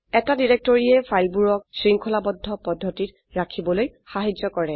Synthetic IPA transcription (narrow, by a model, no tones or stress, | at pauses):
ɛtadiɹɛk̚tɔɹiɛpʰajlbuɹɔk̚sɹiŋkʰɔlabɔdʱːɔpɔdʱːɔtit | ɹakʰibɔlojxaɦid͡ʒzɔkɔɹɛ